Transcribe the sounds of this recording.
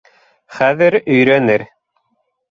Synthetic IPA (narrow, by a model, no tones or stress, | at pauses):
χæðɘɾɵ̆jɾænɘɾ